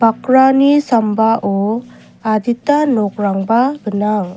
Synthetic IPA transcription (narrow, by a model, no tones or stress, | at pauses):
bakɾanisambaʔɔ | ad̪itanɔk̚ɾaŋbabənaŋ